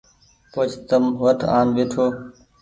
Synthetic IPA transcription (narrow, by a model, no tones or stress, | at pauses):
pot͡ʃʰt̪əmʋəʈʰaːmʋeːʈʰoː